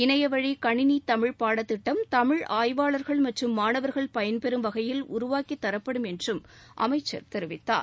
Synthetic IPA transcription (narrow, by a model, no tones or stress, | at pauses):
ɪnɐjɐʋɐɻikɐɳɪnit̪ɐmɪɻpaːɽɐt̪ːɪʈːɐmt̪ɐmɪɻaːjʋaːɭɐɾɣɐɭmɐʈrɯmːaːnɐʋɐɾɣɐɭpɐjɐnpɛɾɯmʋɐɣɐjɪlʊɾʊʋaːkit̪ːɐɾɐpːɐɽɯmɛndrɯm | ʔɐ̰mɐɪt͡ʃːɐ̰ɾt̪ɛɾɯʋɪt̪ːa̰ːɾ